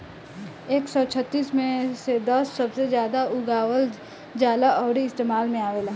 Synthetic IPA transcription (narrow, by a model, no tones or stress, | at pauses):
eːksɔt͡ʃʰət̪ːiːsmẽsed̪ɐsːɐbsezjaːd̪aʊɡaːwəl | d͡ʒaːlaʔɔːɾiɪst̪eːmaːlmẽaːʋeːla